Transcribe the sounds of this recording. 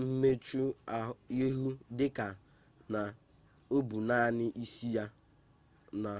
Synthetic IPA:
m̩˦me˦t͡ʃu˦a˨i˦ɦu˦dɪ˦ka˨ | na˨ | o˦bu˨na˦˨nɪ˦ʔi˦si˦ja˦ | na˨

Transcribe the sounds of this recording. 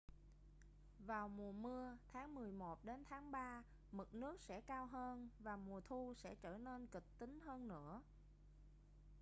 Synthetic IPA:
vaː˨˩wmu˨˩əmɨ˧ət̪ʰaː˨˦ŋmɨ˨˩əjmo˨˩t̚ɗe˨˦nt̪ʰaː˨˦ŋɓaː˧ | mɨ˨˩t̚nɨ˦˥ək̚sɛ̰˧˥kaː˧wɦəː˧nvaː˨˩mu˨˩ət̪ʰu˧sɛ̰˧˥t͡ɕəː˧˩ne˧nkï˨˩k̚t̪ï˨˦ŋ̟həː˧nːɨ̰˧˥ə

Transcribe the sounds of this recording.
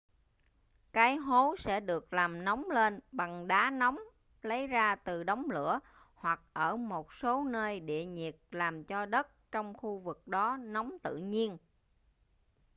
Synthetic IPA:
kaː˨˦jɦo˨˦sɛ̰˧˥ɗɨ˨˩ək̚laː˨˩mnɔ˨˦wŋ͡mle˧nɓa˨˩ŋɗaː˨˦nɔ˨˦wŋ͡m | lə˨˦jzaː˧t̪ɨ˨˩ɗə˨˦wŋ͡mlɨ̰˧˥˨ə | hwa˨˩k̚ʔəː˧˩mo˨˩t̚so˨˦nəː˧jɗḭ˧˨əɲi˨˩ət̚laː˨˩mt͡ɕɔ˧ɗə˦˥t̚t͡ɕɔ˧wŋ͡mxu˧vɨ˨˩k̚ɗɔ˨˦nɔ˨˦wŋ͡mt̪ɨ̰˧˨ɲi˧ən

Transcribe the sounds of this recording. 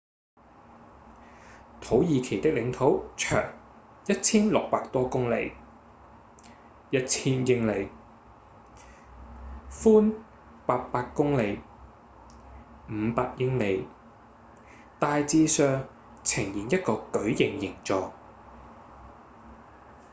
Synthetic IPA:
t̪ʰo˨˥wjiː˨˧kʰe˨˩jt̪ɪ˥k̚lɪ˨˧˥ŋt̪ʰo˨˥wt͡ʃʰœ̰ː˨˩ŋ | jɐ˥t̚t͡sʰiː˥nlʊ˨k̚paː˧k̚t̪ɔː˥kʊ˥ŋlḛ˨˧j | jɐ˥t̚t͡sʰiː˥njɪ˥ŋle˨˧j | fuː˥n | paː˧k̚paː˧kːʊ˥ŋle˨˧j | m̩˨˧paː˧k̚jɪ˥ŋle˨˧j | t̪aː˧jt͡siː˧sœː˧ŋ | t͡sʰɪ˨˩ŋjiː˨˩njɐ˥t̚kɔː˧kɵ˨˥ɥjɪ˨˩ŋjɪ˨˩ŋt͡sɔː˨˧

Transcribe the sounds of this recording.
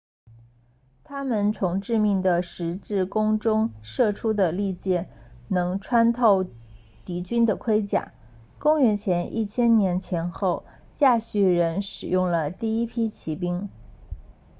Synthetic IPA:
t̪ʰa˥mə˨nt͡sʰʊ˧˥ŋʈ͡ʂɻ̩˥˧mi˥˩ŋd̪ə˩ʂɻ̩˧˥ʈ͡ʂɻ̩˥˩kʊ˥ŋʈ͡ʂʊ˥ŋʂɤ˥˩ʈ͡ʂʰu˥d̪ə˨li˥˧t͡ɕjɛ˥˩nɤ˧˥ŋʈ͡ʂʰwa˥nt̪ʰo˥˩ʊ | t̪i˧˥t͡ɕy˥nd̪ə˨kʰwe˥ɪt͡ɕja̰˨˩˦ | kʊ˥ŋɥɛ˧˥nt͡ɕʰjɛ˧˥nʔḭ˥˩t͡ɕʰjɛ˥nnjɛ˧˥nt͡ɕʰjɛ˧˥nxo˥˩ʊ | t͡ɕja˥˧ɕy˥˩ɻə˧˥nʂɻ̩˨˩jʊ˥˩ŋlə˩t̪i˥˩i˥pʰi˥t͡ɕʰi˧˥p̬i˥ŋ

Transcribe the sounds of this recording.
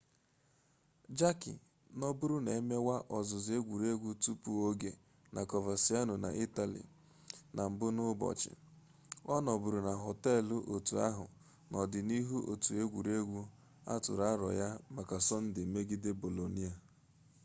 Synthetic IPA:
d͡ʒa˦kḭ˨ | nɔ˦bʊ˦ɾu˦ne˨e˦me˦wa˦ʔɔ˨zʊ˨zɪ˨˦e˦ɡʷu˨ɾe˦ɡʷu˦tu˦pu˨o˦ɡe˨ | na˨kɔ˨va˨si˨˦a˦nʊ˨na̰˨ʔi˦ta˨lḭ˨ | na˨m̩˨bʊ˦nʊ˦bɔ̰˨t͡ʃɪ̰˨ | ɔ˦nɔ˨bʊ˨ɾu˨na˨ɦo˨tɛ˦˨lʊ˦ʔo˨tu˨a̰˦ɦʊ˨ | nɔ˨dɪ˨ni˦ɦu˦ʔo̰˨tu˨e˦ɡʷu˨ɾe˦ɡʷu˦ | a̰˦tʊ̰˨ɾa˦ɾɔ̰˨ja˦ma˨ka˨sɔ˦n̩˦dɪ˨me˦ɡɪ˦de˦bo˨lo˨ni˦a˨

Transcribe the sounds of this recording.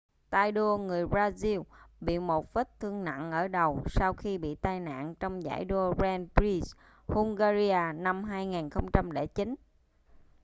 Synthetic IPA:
t̪aː˧jɗo˧əŋɨ˨˩əjbaː˧zi˧wɓḭ˧˨mo˨˩t̚və˦˥t̚t̪ʰɨ˧əŋna̰˧˨nʔəː˧˩ɗə˨˩wsaː˧wxi˧ɓḭ˧˨t̪aː˧jna̰ː˧˨nt͡ɕɔ˧wŋ͡mza̰ː˧˩jɗo˧bɛ˧npɹi˧s | hu˧ŋ͡mŋɣaː˧zi˧aː˧na˧mɦaː˧jŋaː˨˩nxə˧wŋ͡mt͡ɕa˧mle˧˩t͡ɕi˨˦n

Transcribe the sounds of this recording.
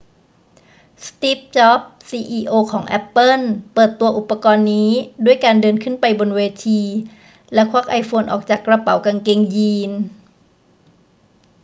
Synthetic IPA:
st̪i˦˥p̚t͡ɕɔ˦˥p̚siː˧ʔiː˧ʔoː˧kʰɔː˩˦ŋʔɛ˦˥pːɤ˥˩˨npɤː˨˩t̪ːu˧ɐʔu˨˩pːa˧kɔː˧nːiː˦˥du˥˩əjkaː˧ndɤː˧nkʰɯ˥˩npa˧jbo˧nweː˧t̪ʰiː˧ | lɛ˦˥kʰwa˦˥k̚ʔa˧jfoː˧nʔɔ̰ː˨˩k̚t͡ɕaː˨˩kːɾa˧pa˨˩˦wka˧ŋke˧ŋjiː˧n

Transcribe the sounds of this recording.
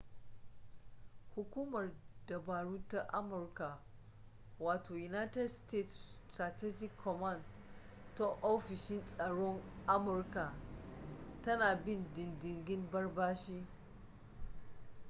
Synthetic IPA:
hʊ˨kʷuː˦mɐ˨rdɐ˨baː˨ɽuː˦ta˦ʔa˦mʊ˨rka˨ | waː˨tʰoː˨ju˨na˦tɛ˦dsteː˦˨ttɾa˨tɛ˦d͡ʒɪ˦kʰːɔ˨ma˦˨nd | ta˦ʔoː˦ɸɪ˨ʃɪ˦nsʼɐ˨ɽɔ˦ŋʔa˦mʊ˨rka˨ | tɐ˦naː˨bɪ˦˨ndɪ˨ndɪ˨ŋɡʲɪ˦mbɐ˦rbaː˦ʃiː˦

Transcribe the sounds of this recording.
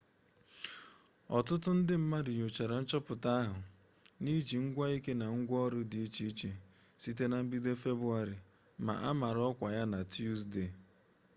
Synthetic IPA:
ɔ̰˨tʊ˦tʊ˦n̩˦dɪ˦m̩˦ma˦dɪ˨ɲo˨t͡ʃa˨ɾa˨n̩˦t͡ʃɔ˦pʊ˨ta˦a˦ɦʊ˨ | ni˦d͡ʒi˨ŋ̩˦ɡʷa˦i˦ke˦na˨ŋ̩˦ɡʷɔ˦ɾʊ˦dɪ˨i˦t͡ʃi˦i˦t͡ʃe˨ | si˦te˦na˨m̩˦bi˦de˦fe˦bʊ˦a˦ɾɪ˨ | ma̰˨ʔa˦ma˨ɾɔ˦kʷa˨ja˦na˨tu˦sde˨

